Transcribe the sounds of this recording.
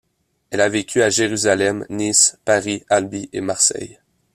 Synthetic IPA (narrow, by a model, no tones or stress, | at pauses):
ɛlavekʲʰyaʒeʁyzalɛmnispaʁialbiʔḛmaʁsɛ̰j